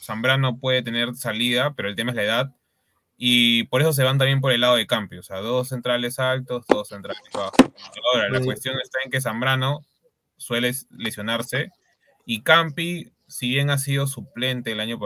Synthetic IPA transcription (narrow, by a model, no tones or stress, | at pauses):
sambɾano̞pwe̞ðe̞t̪e̞ne̞ɾsaliðapeɾo̞elt̪emaelae̞ðað | ipo̞ɾe̞s̬o̞s̬e̞β̞ant̪̬ambje̞mp̬o̞ɾelːaðo̞ð̞ekampioseaðo̞sːe̞nt̪ɾale̞salt̪o̞zðo̞sːent̪ɾalezβaxoaoɾalakwe̞st̪jo̞ŋest̪ae̞ŋke̞s̬ambɾano̞ | swe̞lelesjo̞naɾse̞ | ikampi | siβje̞ŋas̬iðo̞s̬uple̞nt̪e̞ːlaɲop